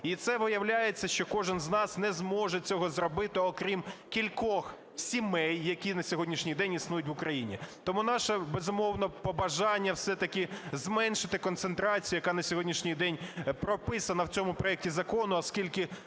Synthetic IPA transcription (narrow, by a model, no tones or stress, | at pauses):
it̪sɛʋɪjɐwlʲajet͡sʲːɐʃt͡ʃɔkɔʒɪnznɑsnɛzmɔʒɛt͡sʲɔɦɔzrɔbɪt̪ɪɔkɾʲimkʲilʲkɔx | sʲimɛjːɐkʲinɐsʲɔɦɔdʲnʲiʃnʲijd̪ɛnʲisnujʊtʲʋʊkɾɐjinʲḭt̪ɔmun̪ɑʃɐbezʊmɔwnɐpɔbɐʒɑnʲːɐwsɛt̪ɐkʲɪzmɛnʃɪt̪ɪkɔnt̪sent̪ɾɑt͡sʲijʊjɐkɑnɐsʲɔɦɔdʲnʲiʃnʲijd̪ɛnʲpɾɔpɪsɐnɐwt͡sʲɔmʊpɾɔɛk̚tʲizɐkɔnʊɐskʲilʲkɪ